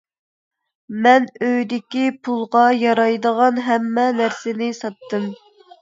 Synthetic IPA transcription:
mɛnøjd̪ɪkʲipʰulˠʁɑjɑɾɑjd̪əʁɑnɦɛmːɛnæɾsɪnɪsɑt̪ːɨm

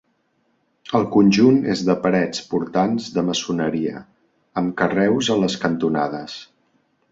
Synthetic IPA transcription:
əlˠkunʲʒunezðəpəɾɛt͡spuɾt̪anzðəməsunəɾiə̰ | əmkərɛwzələskənt̪una̰ðəs

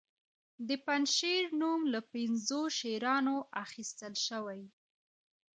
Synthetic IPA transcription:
d̪əpanʃiɾnumlapɪnzoʃeɾɑnoʔaxist̪əlʃəwaj

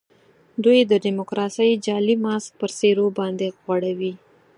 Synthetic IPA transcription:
d̪ujd̪əɖimokɾɑsəjd͡ʒɑlimɑsk̚pəɾseɾobɑnd̪eɣwaɽawi

